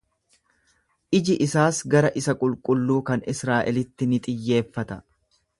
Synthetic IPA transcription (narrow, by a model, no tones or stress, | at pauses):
ʔɪd͡ʒɪʔɪsaːsɡɐɾɐʔɪsɐkʼʊlkʼʊlːuːkɐnɪsɾaːʔɛlɪt̪ːɪnɪt̪ʼɪjːe̞ːfːɐt̪ɐ